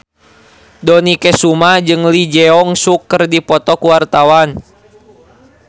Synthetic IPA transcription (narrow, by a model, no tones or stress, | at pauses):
dɔnikɛsumad͡ʒɨŋlid͡ʒɛɔŋsukːərdipɔt̪ɔkuwart̪awan